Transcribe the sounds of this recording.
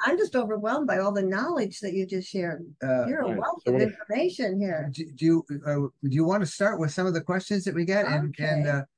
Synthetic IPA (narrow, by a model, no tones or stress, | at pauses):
ãɪ̃md͡ʒʌstoʊvə˞wɛlˠmbaɪɔlˠðɨnɑlˠɪd͡ʒðɨt͡ʃɨd͡ʒʌstʃɛɹʌjə˞əwɛlˠθʌvɪ̃nfə˞meɪʃɨ̃nhiɹdɨdjɨ | dɨjɨwɑ̃nɨstɑɹʔ̚wɨð̥sʌ̃mʌvðɨkʰw̥ɛst͡ʃɨ̃nzðɨt̚wiɡɛɾɨ̃nɨ̃n